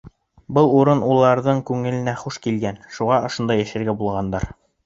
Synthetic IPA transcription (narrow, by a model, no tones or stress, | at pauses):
bɤlˠuɾɤnulˠɑɾðɤɴkʉŋɘ̆lɘ̆næχuʃkilɡænʃuʁɑŏʃond̪ɑjæʃɘ̆ɾɡæbulˠʁɑnd̪ɑɾ